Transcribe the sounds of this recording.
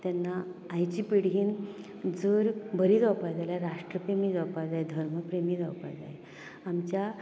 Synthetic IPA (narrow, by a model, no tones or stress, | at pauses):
t̪janːaːjt͡ɕipiɽ̤ɦiːn | d͡zəɾbʱəɾiːd͡zɔpad͡zaljaɾaʂʈɾəpɾemiːd͡zɔwpad͡zajd̪ʱəɾməpɾemiːd͡zɔwpa̰d͡za̰je | amt͡ɕja